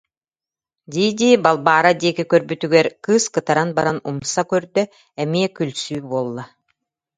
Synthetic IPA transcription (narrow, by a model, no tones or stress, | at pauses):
d̪iːd̪ʲiːbalˠbaːɾad̪iːkikœɾbyt̪yɡɛɾkɯːskɯt̪aɾanbaɾanumsakœɾd̪œ | ɛmiɛkylʲsyːbuːlˠːa